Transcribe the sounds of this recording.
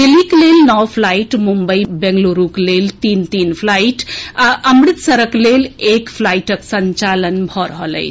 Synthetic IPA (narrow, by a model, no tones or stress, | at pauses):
d̪eliklelnəwpʰlaiʈmumbəjbɛ̃ŋɡloɾuklelt̪int̪inpʰlajʈaʔəmɾit̪səɾəklelekpʰlajʈəksəɲt͡ʃalənbʱɔɾəɦələ̰ɪjt͡ʃʰ